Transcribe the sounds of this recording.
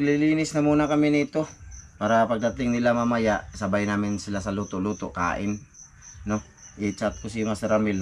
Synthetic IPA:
liliːnɪsnɐmuːnakɐmɪnit̪opaːɾapɐɡ̚d̪at̪ɪŋnɪlamamajaʔsɐbajnaːmɪnsɪlasɐluːt̪oluːt̪oka̰ːʔɪn | no | ʔɪt͡ʃat̪̚kosimasɾamɪln

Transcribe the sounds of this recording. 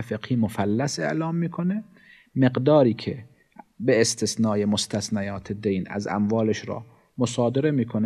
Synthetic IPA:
feqhiːmofælːæse̞̰ʔlɒːmːiːkʰone | meɡd̪ɒːɾiːkʰe | beːst̪ʰesnɒːjemost̪ʰæsnæjɒːt̪ʰed̪ejnæ̰zæ̰mvɒːleʃɾɒ̰ː | mosɑːd̪eɾemiːkʰon

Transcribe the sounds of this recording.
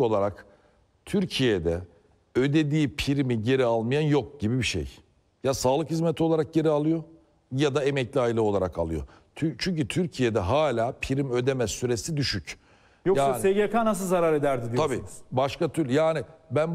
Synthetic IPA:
o̞lˠaɾak | t̪ʰyɾcʰijed̪ɛ | ød̪e̞d̪iːpʰiɾimiɟe̞ɾialˠmijanjo̞k̚ɟ̥ibibiʃḛj | jasaːlˠɯkhizmet̪ʰio̞lˠaɾak̚ɟe̞ɾialˠɯjo | jad̪aemɛclʲiajilˠɯ̞lˠa̰ɾaka̰lˠɯjo̰ | t̪ʰt͡ʃʰyɲcyt̪ʰyɾcʰijed̪ɛɦaːlʲaːpʰiɾimø̞d̪e̞mɛsyɾesid̪yʃyc | joksaːaneɡekʰaːnas̬ɯlˠzaɾaɾe̞d̪æɾd̪id̪iabiːnz̥baʃkat̪ʰyɾlʲjaːnɪbæn

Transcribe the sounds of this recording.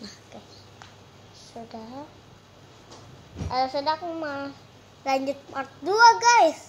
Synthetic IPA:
mahɡ̥ajsː | udaɦ | əsədakma | laɲd͡ʒʊt̪̚mart̪̚duaɡajs

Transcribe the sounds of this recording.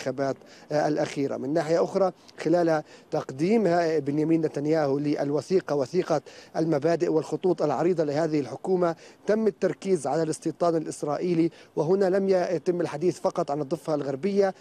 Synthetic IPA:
xabaːt̪ʔalʔaxiːɾa̰mɪnːaːħɪjaʔʊxɾˤɑxɪlaːlhat̪ɑqd̪iːmhabɪnjamiːnːat̪anjaːhulɪʔa̰lwaθiːqɑwaθiːqɑʔalmabaːd̪ɪʔwɪlxʊt̪ˤuːt̪ˤɑlʕɑɾiːd̪ˤɑlɪhaːðɪhɪlħʊkuːmat̪amːɪt̪ːɑɾˤkiːzʕalalɨsˤt̪iːt̪ˤɑːnɪlʔɪsɾˤɑːʔiːliwɪɦʊnalamjjat̪ɪmːɪlħad̪iːθfɑqɑt̪ˤʕanɨd̪ˤːɨfːalɣaɾbɪjːa

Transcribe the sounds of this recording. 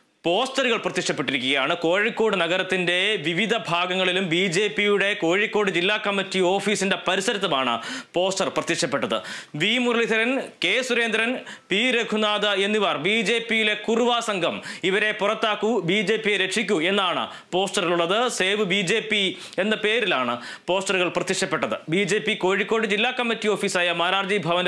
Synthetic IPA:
po̞ːstɐɾuɣɐɭprɐt̪ːikʂɐpːeʈːiɾikʲːuɣɐjaːɳɨko̞ːɻikːo̞ːɽɨnɐɣɐɾɐt̪ːinde̞ʋiʋid̪ʱɐbʱaːɡɐŋːɐɭilumbiːd͡ʑe̞ːpːijuɽe̞ko̞ːɻikːo̞ːɽɨd͡ʑilːaːkːɐmːitːio̞ːfiːsinde̞pɐɾisɐɾɐt̪ːɐmaːɳɨ̰po̞ːstɐrprɐt̪ːiʂɐpːe̞ʈːɐðɨ̰ʋiːmurɐɭid̪ʱɐɾɐnke̞ːsuɾe̞ːnd̪ɾɐn | piːɾeɡʱunaːðɐe̞nːiʋɐrbiːd͡ʑe̞ːpːijile̞kuruʋaːsɐŋɡʱɐmiʋɐɾe̞purɐt̪ːaːkːubiːd͡ʑe̞ːpːijeɾekʂikʲːue̞nːaːɳɨ̰ | po̞ːstɐriɭuɭːɐðɨse̞ːʋɨbiːd͡ʑe̞ːpːi | e̞nːɐpe̞ːɾilaːɳɨ | po̞ːstɐruɣɐɭprɐt̪ːikʂɐpːe̞ʈːɐðɨ̰biːd͡ʑe̞ːpːiko̞ːɻikʲːo̞ːɽɨd͡ʑilːaːkːɐmːitːio̞ːfiːsaːjɐmaːɾaːrd͡ʑibʱɐʋɐn

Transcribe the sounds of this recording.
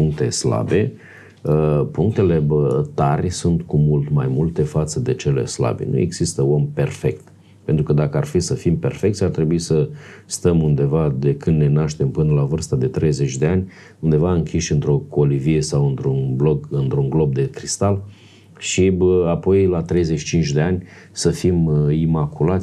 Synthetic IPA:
puŋk̚t̪e̞sla̰be̞ | əpuŋk̚t̪e̞le̞bt̪arʲsunt̪kumult̪majmult̪e̞fat̪səd̪e̞t͡ʃe̞le̞̰sla̰bḛnṵḛɡz̥ist̪əo̞mperfe̞kt̪ | pe̞nt̪ɾukəd̪akəarfisəfimpe̞̰rfe̞kt̪sʲart̪ɾe̞buisəst̪əmund̪e̞vad̪e̞kɨnd̪ne̞naʃt̪e̞mpɨnəlavɨrst̪ad̪e̞t̪ɾe̞jze̞t͡ʃd̪e̞anʲ | und̪e̞vaɨŋkʲʰiʃʲɨnt̪ɾo̞ko̞livie̞sawɨnt̪ɾunbloɡɨnt̪ɾuŋɡlo̞b̚d̪e̞kɾist̪al | ʃiapo̞jlat̪ɾe̞jzet͡ʃit͡ʃint͡ʃd̪e̞anʲ | səfimimakulat̪sʲ

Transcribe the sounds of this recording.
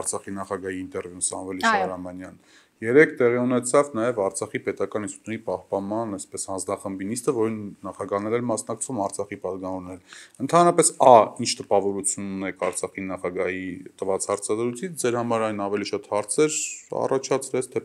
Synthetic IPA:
ɑɾt͡sʰɑχinɑχɑɡɑhiːnt̪ɛɾvjusɑ̰nvɛliʃɾɑmɑnjɑn | jɛɾɛkʰt̪ɛʁiunɛt͡sʰɑvnɑjɛvɑɾt͡sʰɑχipɛt̪ɑkɑnist̪ut̪ʰuipɑhpɑnmɑnɛspɛshɑnd͡znɑχəmbinist̪əvɔɾinːɑχɑɡɑhnɛɾɛɾmɑsnɑk̚t͡sʰvumɑɾt͡sʰɑχipɑt̪ɡɑvɔɾnɛɾənt̪ʰɑnɾɑpɛsɑint͡ʃʰt̪əpɑvɔɾut͡sʰjununɛkʰɑɾt͡sʰɑχinɑχɑɡɑhit̪əvɑt͡shɑɾt͡sʰɑzɾujt͡sʰit͡sʰd͡zɛɾhɑmɑɾɑjnɑvɛliʃɑt̪hɑɾt͡sʰɛɾɑ̰rɑt͡ʃʰɑt͡sʰɾɛt͡sʰt̪ʰɛ

